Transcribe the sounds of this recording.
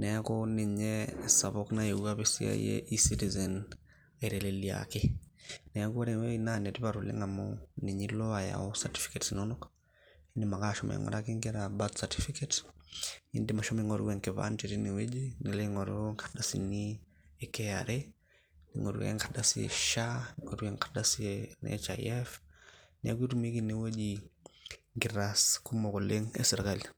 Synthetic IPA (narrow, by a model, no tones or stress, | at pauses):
nɛjakɔniɲɛsaβɔknaɛuaβisḭa̰jɛ̰ʔisitizɛn | aiɾɛlɛlia̰kenɛjakuaɾɛwɛinanɛtiβaɾulɛ̰ŋamɔniɲilɔaja̰ɔsati̥fi̥kɛtsinɔnɔk | indimakaʃɔmʔɛ̰ŋɔ̰ɾakiŋɡɛɾabatsatifikɛt | ḭndimaʃɔmiŋɔɾɡwɛŋkɛβa̰nt͡ʃiɾiniwed͡ʒinilɛŋɔɾ̰ŋkʰaɗasini | ɛkɛaɾe | nḭŋɔ̰ɾṵwɛ̰ŋkʰadasiɛ̰ʃaniŋɔɾɡɛŋkʰḁɗasinɛ̰t͡ʃaḭɛfnia̰ɡitumiɡiniwed͡ʒi | ŋɡiɾaskumɔɣoleŋɛ̰sɛɾɣali